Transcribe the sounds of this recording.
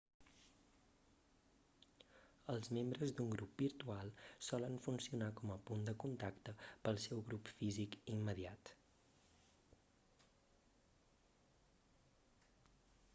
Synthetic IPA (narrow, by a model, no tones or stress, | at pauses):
əlˠzmembɾəzd̪uŋɡɾup̚biɾt̪ualˠsɔlənfunsiunakɔməpund̪əkunt̪akt̪əpəlˠsɛwɣɾupfizikimːəðiat̪